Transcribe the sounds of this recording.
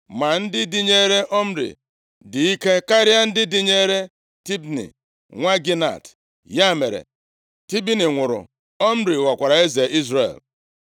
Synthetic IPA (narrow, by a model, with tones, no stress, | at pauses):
ma˨n̩˦dɪ˦di˦ɲe˦ɾe˦ʔɔ˦m̩˦ɾḭ˨ | dɪ˨i˦ke˦ka˦ɾja˦n̩˦dɪ˦dɪ˦ɲe˦ɾe˦ | ti˦bnḭ˨ | ŋʷa˦ɡi˦na̰˨t | ja˦˨me˨ɾḛ˨ | ti˦bi˦ni˨ŋʷʊ˨ɾʊ̰˨ | ɔ˦m̩˦ɾi˨wa˨kʷa˨ɾa˨e˦ze˨ʔi˦zɾḛ˨l